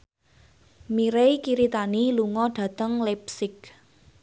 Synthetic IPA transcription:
miɾejkiɾit̪aniluŋɔɖ̥ä̤t̪əŋlɛpsɪk̚

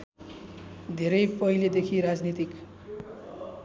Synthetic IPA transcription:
d̪ʱeɾʌjpʌiled̪ekʰiɾad͡znit̪ik

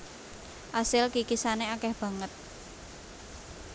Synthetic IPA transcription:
ʔasɪlkikisaneakɛhb̥ä̤ŋət̪̚

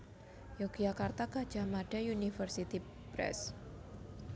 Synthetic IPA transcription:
jokd͡ʒakart̪akḁd͡ʒamaɖajunifərsit̪i | pɾɛ̰s

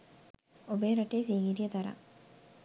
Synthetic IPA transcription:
obeːɾɐʈeːsiːŋiɾijət̪ɐɾa̰

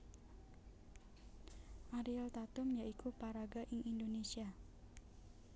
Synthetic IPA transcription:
ʔaɾiɛlt̪at̪ʊmjaʔikupaɾaɡaʔiʔindonesia

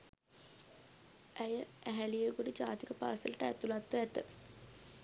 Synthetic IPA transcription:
æjəʔæɦælijeɡoɖid͡ʑaːt̪ikəpa̰ːsələʈəæt̪ulat̪ʋəæt̪ə

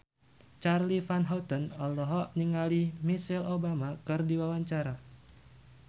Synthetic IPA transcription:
t͡ʃarlifanɦawt̪ɔnɔlɔɦɔʔniŋalimisɛlobamakɨrdiwawaɲt͡ʃaɾa

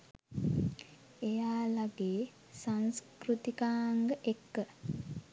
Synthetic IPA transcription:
ejaːlaɡeː | saŋskrut̪ikaːŋɡəʔekːə

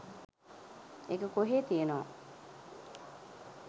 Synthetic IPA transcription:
eɡəkoɦeːt̪ijenoʋa̰

